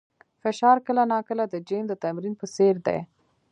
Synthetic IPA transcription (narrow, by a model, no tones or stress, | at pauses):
fɪʃɑɾkəlanɑkəlad̪əd͡ʒemd̪ət̪amɾinpəseɾd̪ḛj